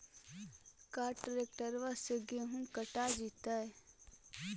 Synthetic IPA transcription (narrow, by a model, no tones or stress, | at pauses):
kaːɾʈɾek̚ʈəɾʋasəɡeɦũkəʈad͡ʒit̪aɛ